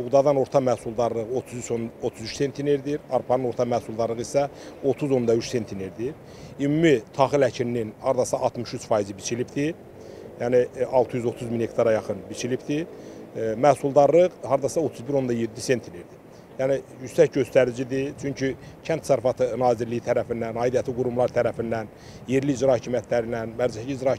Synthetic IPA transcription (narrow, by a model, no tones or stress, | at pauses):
uɣd̪ɑd̪ɑno̞ɾt̪ʰɑmæhsulˠd̪ɑɾlˠɯʁo̞t̪ʰuzyt͡ʃʰonot̪ʰuzyt͡ʃse̞nt̪ʰineɾd̪iɾɑɾpʰɑnɯno̞ɾt̪ʰɑmæhsulˠd̪ɑɾlˠɯʁisæ | o̞t̪ʰuzo̞nd̪ɑyt͡ʃse̞nt̪ʰineɾd̪iɾ | imumit̪ʰɑχilæcʰilninhɑɾd̪ɑsɑʔːt̪mɯʃyt͡ʃfɑjizibit͡ʃʰilipd̪i | jæːniɑlˠt̪ʰɯjyzo̞t̪ʰuzminhe̞k̚t̪ʰɑɾɑjɑχɯnbit͡ʃʰilipd̪i | mæhsulˠd̪ɑɾlɯʁhɑɾd̪ɑsɑo̞t̪ʰuzbiɾo̞nd̪ɑje̞d̪ːise̞nt̪ʰineɾd̪i | jænijysæc̚ɟø̞st̪æɾid͡ʒid̪it͡ʃʰyɲcʰycʰænt̪ʰsæɾfɑt̪ʰɯnɑːziɾlijit̪ʰæɾæfinːænɑːjd̪ijɑt̪ʰliɡuɾumlˠɑɾt̪ʰæɾæfinːæn | je̞ɾliːd͡ʒɾɑhɑcʰimjæt̪ʰlæɾinænmæɾd͡ʒæhid͡ʒɾɑ